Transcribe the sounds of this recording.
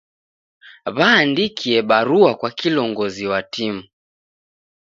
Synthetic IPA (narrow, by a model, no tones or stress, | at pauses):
βaːndikʰiɛɓaɾuakwakilɔŋɡɔziwatimu